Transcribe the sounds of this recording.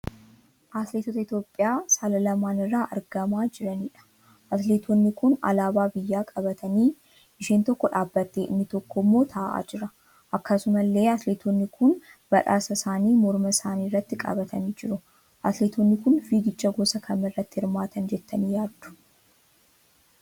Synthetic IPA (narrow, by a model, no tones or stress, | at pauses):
ʔaːt̪leːt̪ot̪ɐɪt̪jo̞ːpʼːɪjaːsaːlɐlɐmaːnɪrːaːʔɐɾɡɐmaːd͡ʒɪɾɐniːᶑɐ̥ | ʔɐt̪leːt̪ʰonːɪkʊnɐ̰laːbaːbɪjːaːkʼɐbɐt̪ʰɐniː | ʔɪʃiːnt̪ɔkːɔᶑaːbːɐt̪ːeːʔɪnːɪt̪ɔkːɔmːo̞ːt̪ʰaːʔa̰ːd͡ʒɪɾɐ | ʔɐkːɐsʊmɐlːe̞ːɐt̪leːt̪ʰonːɪkʰʊn | b̥ɐᶑa̰ːsɐsaːniːmɔɾmɐsaːniːrːɐt̪ːɪkʼɐ̰bɐt̪ʰɐniːd͡ʒɪɾʊ | ʔa̰ːt̪leːt̪ʰonːɪkʊnfiːɡɪt͡ʃːɐɡosɐkʰɐmːɐrːɐt̪ːɪhɪɾmaːt̪ʰɐnd͡ʒɛt̪ːɐniːjaːd̪d̪̥ʊ̥